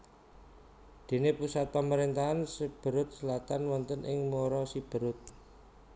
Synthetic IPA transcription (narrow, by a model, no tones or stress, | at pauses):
d̪̥e̤nepusat̪̚paməɾent̪aɦansəb̥ə̤ɾʊt̪̚səlat̪anwɔnt̪ənʔɪŋmoɾɔsib̥ə̤ɾʊt̪̚